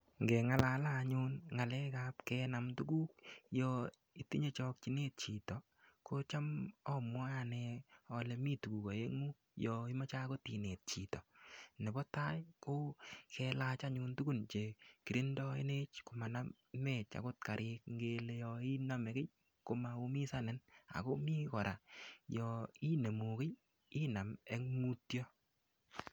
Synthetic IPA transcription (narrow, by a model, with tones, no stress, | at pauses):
ŋɡɛ˨ŋa˦la˨la˦˨ɲʊ˦nŋa˨lɛ˦kap̚kɛna˨mtu˦ɡu˦k̚jɔ˧ | i˨ti˦ɲe˦t͡ʃɔ˧k̚t͡ʃi˦ne˦t̚t͡ʃi˨tɔ˨ | ko˦t͡ʃa˦mɔ˦mwɔ˦ja˨nɛ˧ɔ˨lɛ˨mi˦tu˨ku˨ka˨e˦ŋu˦ | jɔi˦ma˦t͡ʃa˦ko˦ti˨ne˨t̚t͡ʃi˨tɔ˨ne˨bɔ˦ta˦jko˦kɛ˧la˦t͡ʃa˦ɲu˧ntu˦ɡu˦˨nt͡ʃe˨ki˨ɾi˦ndɔ˦ḛ˦ne˦t͡ʃko˨ma˨na˦ | me˦˨t͡ʃa̰˨ko˦t̚ka˨ɾʔɪ˧k̚ŋɡe˦le˧jɔ˧i˦na˦me˨ke˦j | ko˨ma˨u˦mi˦sa˦nɪ˨na̰˨ko˦mi˦kɔ˨ɾʔa˨jɔ˨i˦ne˨mu˨ke˦j | i˦na˨me˦ŋmu˦tjɔ˦